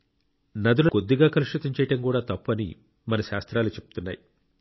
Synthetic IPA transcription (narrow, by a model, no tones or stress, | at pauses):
nɐd̪ulɐko̞d̪ːiɡaːkɐɾuʂɾut̪ɐɲt͡ʃɛːjɐʈɐmkuːɽaːt̪ɐpːuɐnḭ | mɐnɐʃaːst̪ɾaːlut͡ʃe̞p̚u̥t̪unːa̰ːji